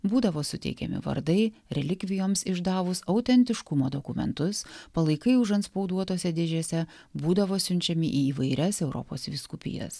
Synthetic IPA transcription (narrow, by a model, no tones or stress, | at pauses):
buːd̪ɐʋoːsʊt̪ʲɛ̰ɪkʲɛ̰mʲɪ̰ʋɐ̰ɾd̪ɐɪɾʲɛlʲɪkʲʋʲɪjoːmsɪʒd̪ɑːʋʊsɐʊt̪ʲɛnʲt̪ʲɪʃkʊmoːd̪okʊmʲɛ̰nt̪ʊspɐlˠɐɪkɐɪʊʒɐnt̪spɒʊd̪uɔt̪oːsʲɛd̪ʲeːʒʲoːsʲɛ | buːd̪ɐʋoːsʲʊnʲt͡ʃʲɛmʲɪʔiːiːʋɐɪɾʲɛsɛʊɾʔɔ̰po̰ːsʋʲɪskʊpʲɪ̰jɛ̰s